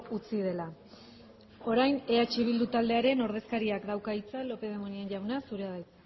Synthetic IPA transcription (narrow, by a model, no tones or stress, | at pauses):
ut͡sið̞e̞la | o̞ɾajne̞at͡ʃiβ̞ild̪ut̪ald̪e̞aɾe̞no̞ɾð̞e̞skaɾiakd̪awkait͡salo̞pe̞ð̞e̞monienʝawnasuɾe̞aðajt͡s̪